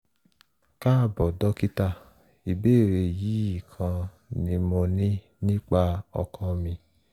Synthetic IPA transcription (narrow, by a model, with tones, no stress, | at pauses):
ka˦˨bɔ˨dɔ˨˦ki˦ta˧˨ | i˨be˦˨ɾe˧˨ji˨˦i˦˨kʰã˧ | nĩ˧mo˧nĩ˦ | nĩ˦k͡pa˧ɔ̰˧kã˧mĩ˧